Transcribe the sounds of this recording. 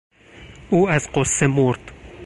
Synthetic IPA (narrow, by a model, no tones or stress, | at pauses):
ʔuːæzɢosːemoɾd̪̥